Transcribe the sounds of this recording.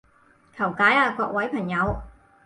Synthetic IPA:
kʰɐ˨˩wkaː˨˥jaː˧kʷɔː˧k̚wɐ˨˥jpʰɐ˨˩ŋjɐ˨˧w

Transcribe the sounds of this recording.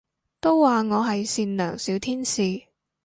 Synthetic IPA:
t̪o˥wwaː˨ŋɔː˨˧ɦɐ˨jsiː˧nlœː˨˩ŋsiː˨˥wt̪ʰiː˥nsiː˨˧

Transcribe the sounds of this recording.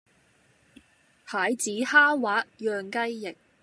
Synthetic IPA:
haː˨˥jt͡siː˨˥haː˥waː˨˥k̚jœː˨ŋkɐ˥jːɪ˨k̚

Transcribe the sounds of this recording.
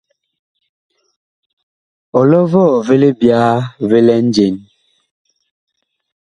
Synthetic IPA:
ɔ˨lɔ˦vɔ˦˨ve˦le˦bja˦ve˦lɛ˦n̩˦d͡ʒe˨n

